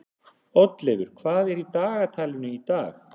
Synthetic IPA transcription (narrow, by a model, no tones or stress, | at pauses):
ɔt̪lɛɣʏɾ̥kʰvaːðɛɾit̪aːɣat̪ʰajlʏnʏit̪aːx